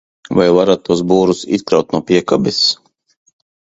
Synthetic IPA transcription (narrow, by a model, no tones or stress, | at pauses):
vajvaɾat̪̚ːuɔsbuːɾusḭskɾawt̪nuɔpiɛkabis